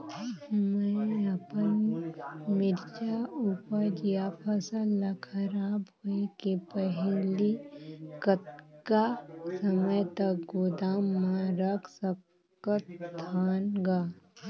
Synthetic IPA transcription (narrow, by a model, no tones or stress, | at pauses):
mɛ̃əpən | mɪɾd͡ʒauːpəɾd͡ʒjapʰəsəlːakʰɐɾaːbɦoekepəɦlikət̪kasəməjt̪ək̚ɡoːd̪aːmːãɾəkʰsə | kət̪t̪ʰːaːnɡaː